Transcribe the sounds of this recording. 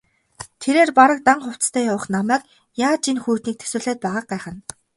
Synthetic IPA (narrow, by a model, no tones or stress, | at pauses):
t̪ʰeɾeːrpaɾə̆k̚t̪aɴχʊw̥t͡st̪ʰæːjawə̆χnamæːk | jaːt͡ɕinxuːt̪niːk̚t̪ʰɵ̥sɘ̆ɮeːt̪̚pæːʁaːq̚ɢaːχə̆n